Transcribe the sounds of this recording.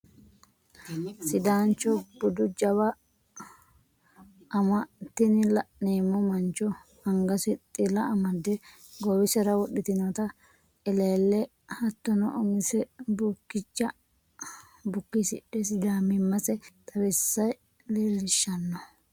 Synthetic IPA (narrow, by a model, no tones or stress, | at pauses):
sɪd̪aːnt͡ʃːɔb̥ʊd̪ʊd͡ʒɐbɐ | mɐt̪ːɪnɪlɐneːmɔmɐnt͡ʃːɔhɐŋɡɐsɪt̪ʼɪlɐɐmɐd̪ɛ | ɡɔwɪsɛɾɐwɔɗɪt̪ɪnɔt̪ɐ | ɛleːlːɛ | hɐt̪ːɔnɔʔɔŋɪsɛbʊkːɪt͡ʃːɐ | bʊkːɪsɪ̰ɗɛsɪd̪aːmɪmːɐsɛt̪ʰʼɐbɛsːɐj | leːlɪʃːɐnːɔ